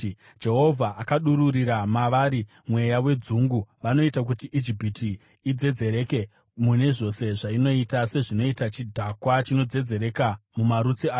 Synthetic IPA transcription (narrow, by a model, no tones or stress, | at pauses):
d͡ʒe̞ɦo̞vʱaʔakaɗuɾuriɾamaʋaːɾi | mwe̞jawe̞d͡zuŋɡuʋano̞itak̬utiʔid͡ʒipitiː | d͡ze̞d͡ze̞ɾe̞ke̞ | mune̞ʐo̞se̞ʐaino̞itase̞ʐino̞itat͡ʃidʱakwat͡ʃino̞d͡ze̞d͡ze̞ɾe̞kamumaɾut͡siaːj